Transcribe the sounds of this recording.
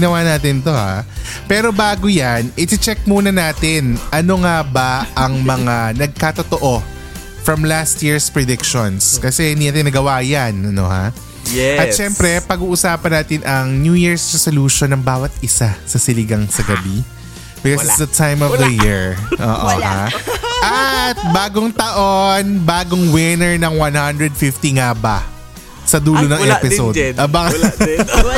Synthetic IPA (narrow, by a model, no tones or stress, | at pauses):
ɪnɐwanaːt̪ɪnt̪o̞ha̰ | pɛːɾo̞baːɡojanʔɪsɪt͡ʃɛk̚muːnɐnaːt̪ɪnʔɐno̞ŋabɐɐŋmɐŋanɐɡ̚kat̪ot̪oʔo̞ | fɾɐmlast̪̚jiɹspɹɛd̪ɪkʃonskɐsɛhɪ̃nd̪inaːt̪ɪ̃nɐɡɐwaːjɐnɐno̰ha̰ | jɛʔɐtʃɛmpɾɛpɐɡuːʔʊsaːpɐnaːt̪ɪnʔɐŋnjuːjiɹsɹɛsoluʃonːɐŋbaːwɐt̪̚ʔɪsasɐsɪlɪɡɐŋsɐɡɐbi | bsɪsd̪ɐt̪ʰajmɔvd̪ɐjiɹʔo̰ːʔoha̰ʔɐt̪̚baːɡoŋt̪ɐʔonbaːɡoŋwɪnɛɹnɐŋwanhɐnd̪ɹɛd̪̚fɪft̪iŋabɐ | sɐd̪uːlonɐŋɛɛpɪsodʔɐbaŋ